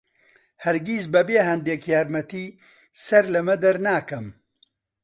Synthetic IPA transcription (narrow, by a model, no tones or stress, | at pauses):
hɐɾɡiːs̬bɐbeːɦɐnd̪eːkjaːɾmɐt̪iː | sɐɾlɐmɐd̪ɐɾnaːkɐm